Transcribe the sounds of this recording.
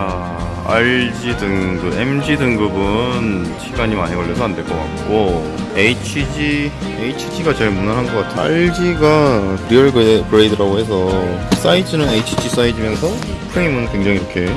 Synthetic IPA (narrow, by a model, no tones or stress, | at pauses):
a | aɭd͡ʑidɯŋɡɯemd͡ʑidɯŋɡɯbɯnɕʰiɡaɲimaɲekʌʎːʌsʰʌandwe̞ɭk͈ʌk͈a̰k̚k͈o | eit͡ɕʰid͡ʑi | eit͡ɕʰi̥d͡ʑiɡat͡ɕeɭmunaɭɦanɡʌk͈atʰɯa̰ɭd͡ʑiɡakɾiʌɭɡkɯɾedɯɾaɡoɦe̞s̬ʰʌs͈aitʰɯnɯneit͡ɕʰi̥d͡ʑis͈aid͡ʑimjʌnsʰʌ | pʰɯɾeimɯnkwe̞ŋd͡ʑaŋiɾʌkʰe̞